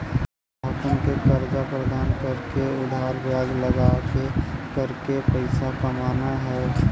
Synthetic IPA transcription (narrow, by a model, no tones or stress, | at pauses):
əkənkekəɾd͡ʒapɾəd̪aːnkəɾkeʊd̪ʱaːɾbjaːɡləɡakekəɾkepəɪsakamaːnaɦɛː